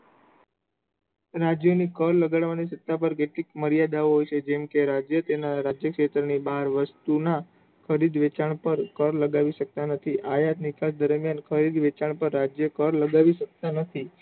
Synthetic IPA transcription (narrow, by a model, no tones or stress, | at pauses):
ɾad͡ʒjonikəɾləɡaɽʋanisət̪ːapəɾkeʈlikməɾijad̪aoɦojt͡ʃʰed͡ʒɛmkeɾad͡ʒjət̪enaɾad͡ʒjəkʃet̪ɾənibaɦɾʋəst̪una | kʰəɾid̪ʋet͡ʃaɳ̃pəɾkəɾləɡaʋiʃək̚t̪anət̪ʰiʔajat̪nikasd̪əɾmijankʰəɾid̪ʋet͡ʃaɳpəɾːad͡ʒjəkəɾləɡaʋiʃək̚t̪anət̪ʰi